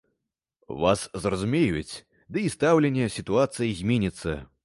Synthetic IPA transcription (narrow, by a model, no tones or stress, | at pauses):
va̰szrɐzumʲejut͡sʲ | d̪ɨist̪awlʲenʲːɛsʲit̪uat̪sɨjizʲmʲenʲit̪sːɐ